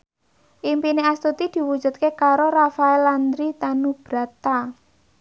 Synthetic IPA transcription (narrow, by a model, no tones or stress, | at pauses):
ʔimpineast̪ut̪id̪̥i̤wu̥d͡ʒ̥ṳt̪̚kekaɾoɾafaeland̪ɾit̪anub̥ɾa̤t̪a